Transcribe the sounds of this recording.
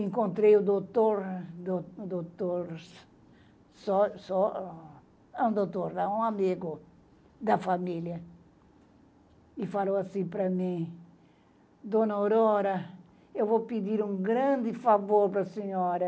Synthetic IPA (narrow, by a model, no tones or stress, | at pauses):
ẽŋkõnt̪ɾejud̪ot̪oɾd̪od̪ot̪oɾs | sɔsɔ | ɛ̃ũd̪ot̪oɾd̪aũamiɡʊ | d̪ɐfamiljɐ | ifalowɐsĩpɾɐmĩ | d̪onɐowɾɔɾɐ | ewvopid̪iɾũŋɡɾɐ̃nd̪ɪfavoɾpɾɐseɲɔɾɐ